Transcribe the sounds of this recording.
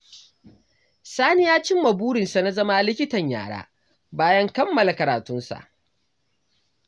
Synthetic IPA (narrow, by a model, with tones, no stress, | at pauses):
saː˦nɪ˦jaː˦t͡ʃɪ˦mːɐ˨buː˦ɽɪ˨nsa˨na˦zɐ˦ma˦˨lɪ˦kʲɪ˦tɐ˨ɲja̰ː˨ɽa̰ː˦ | baː˦jɐ˦ŋkɐ˦mːɐ˨la˨kɐ˨ɾaː˨tʊ˦nsa̰˨ʔ